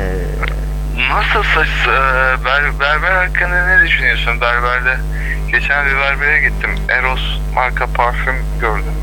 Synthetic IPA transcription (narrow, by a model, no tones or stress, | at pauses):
nasɯlˠsat͡ʃsɯbæɾbæɾbæɾaɾkʰːanˠɯɾɯnɛd̪yʃynyjosunbæɾbæɾd̪ɛ | ɟ̥e̞t͡ʃʰænd̪ivˠaɾbeɾɛɟit̪ʰːimeɾos | mʔaɾkʰapʰaɾfym | ɟøɾd̪ym